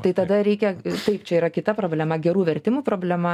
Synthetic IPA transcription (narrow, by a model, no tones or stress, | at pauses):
t̪ɐɪt̪ɐd̪ɐɾʲɛɪkʲɛt̪ɐɪpt͡ʃʲɛiːɾɐkʲɪt̪ɐpɾoːbʲlʲɛmɐɡʲɛɾuːʋʲɛrʲt̪ʲɪmuːpɾoːbʲlʲɛmɐ